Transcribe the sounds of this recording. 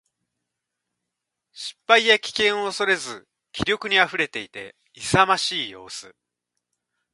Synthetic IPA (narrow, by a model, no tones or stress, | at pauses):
ɕi̥pːaijakʲi̥kẽ̞ɰ̃o̞ːso̞ɾe̞zɨ | kʲiɾʲo̞kɯ̟ɲ̟iaɸɯ̟ɾe̞t̪e̞it̪e̞ | isamaɕiːjo̞̰ːsɨ